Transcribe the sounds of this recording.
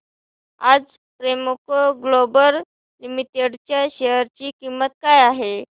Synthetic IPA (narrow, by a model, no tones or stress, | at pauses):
ad͡z | pɾemokoɡlobəɾ | limit̪eɽt͡ɕjaɕejəɾt͡ɕiːkimːət̪̚kajaɦe